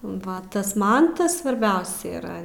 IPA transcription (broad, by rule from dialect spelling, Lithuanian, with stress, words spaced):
ˈʋɐ tɐs ˈmɐn ˈtɐs sʋɐrʲˈbʲɛʊsʲɛ iːˈrɐ